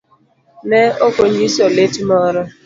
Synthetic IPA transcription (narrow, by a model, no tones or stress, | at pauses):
neokʷoɲisɔletmɔɾʊ